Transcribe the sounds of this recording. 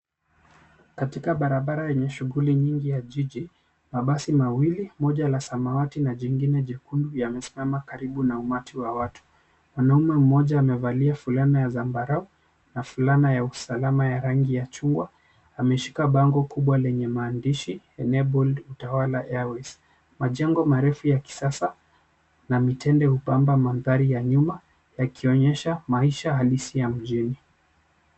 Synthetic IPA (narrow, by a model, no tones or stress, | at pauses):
katikaɓaɾaɓaɾajɛɲɛʃuɣuliɲiŋɡijaʄiʄi | maɓasimawilimɔʄalasamawatinaʄiŋɡinɛʄɛkundujamɛsi̥mamakaɾiɓunaumatʰiwawatu̥ | mwanaumɛm̩ɔʄaːmɛvaliafulanajazambaɾau | nafulanajausalamajaɾaŋɡijat͡ʃuŋɡwa | amɛʃi̥kaɓaŋɡɔkuɓwalɛɲɛmaːndiʃi | ɛnɛbɔldutawalaʔɛwɛs | maʄɛŋɡɔmaɾɛfujaki̥sasa | namitʰɛndɛhupambamaðaɾijaɲuma | jakʰiɔɲɛʃamaiʃahalisijam̩ʄini